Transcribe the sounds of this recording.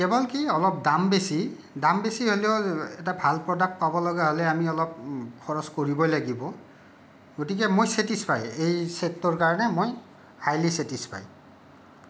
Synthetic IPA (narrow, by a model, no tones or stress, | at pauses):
kɛbɔlkiɔlɔp̚dambesi | dambesiɦoleʊɛtabʱalpɹɔdak̚t̚pabɔlɔɡaɦɔlɛamiɔlɔp̚kʰɔɹɔskoɹibɔjlaɡibɔ | ɡotik̬ɛmojsetispajejsetːɔɹkaɹɔnɛmoj | hajlisetispʰa̰j